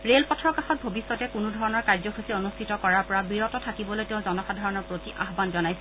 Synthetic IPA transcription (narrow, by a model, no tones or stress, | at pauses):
ɹelpɔtʰɔɹkaxɔt̚bʱobisːɔtɛkunudʱɔɹɔnɔɹkaɹzɔkʰusionustʰitɔkɔɹaɹpɔɹabiɹɔtɔtʰakibɔlojteʊ̃zɔnɔxadʱaɹɔnɔɹpɹotiʔa̰ɦbanzɔnajsɛ